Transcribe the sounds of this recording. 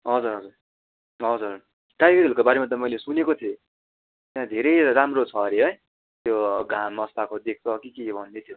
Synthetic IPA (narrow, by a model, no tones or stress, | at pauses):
ɦʌd͡zuɾɦʌd͡zur | ɦʌd͡zur | ʈajɡeɾelkobaɾemat̪̬ʌmʌjlesunekot̪ʰe | t̪jãd̪ʱeɾʌjɾamrot͡sʰʌɾeɦʌj | t̪joɡʱãmʌst̪akod̪ek̚ʰt͡sʰʌkikibʱʌnd̪et̪ʰjo